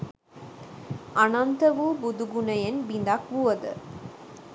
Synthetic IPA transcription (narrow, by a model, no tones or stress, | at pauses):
ɐnɐnt̪ɐʋubud̪uɡunɐjɐnbind̪akʋuʋɐd̪̰